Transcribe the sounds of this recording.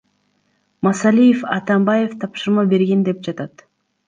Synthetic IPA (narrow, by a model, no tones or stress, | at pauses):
mɑsɑlʲijefɑt̪ɑmbajeft̪ʰɑpʃɯɾmɑbe̞ɾɡe̞nd̪e̞p̚d͡ʒɑt̪ɑt̪